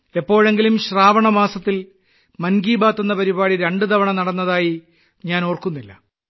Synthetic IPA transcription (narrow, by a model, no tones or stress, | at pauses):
epːo̞ːɻe̞ŋɡilumɕraːʋɐɳɐmaːsɐt̪ːil | mɐnɡiːbaːt̪ːenːɐpɐɾibaːɽiɾeɳɖɨt̪ʰɐʋɐɳɐnɐɽɐnːɐðaːji | ɲaːno̞ːrkunːilːɐ̰